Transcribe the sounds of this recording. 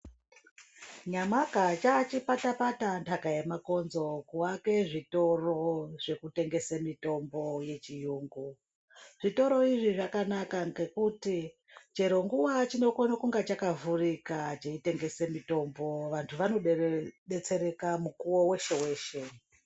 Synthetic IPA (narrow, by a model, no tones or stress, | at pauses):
ɲamakat͡ʃat͡ʃipatapatantʰakajemako̞nzo̞kuwake̞ʐito̞ro̞ʐ̥e̞kute̞ŋɡe̞semito̞mbo̞je̞t͡ʃijuːŋɡu | ʐ̥ito̞ɾo̞iʐiʐakanakaŋɡekuti | t͡ʃe̞ɾo̞ŋɡuwat͡ʃino̞konakuŋɡat͡ʃakavurikat͡ʃeite̞ŋɡe̞semito̞mbo̞ʋantʰuʋano̞ɗɗe̞t͡se̞ɾe̞kamukuwowe̞ʃe̞we̞ːʃe